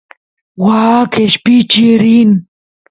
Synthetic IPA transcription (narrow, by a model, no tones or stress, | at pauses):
waːkʰeɕpit͡ɕiɾin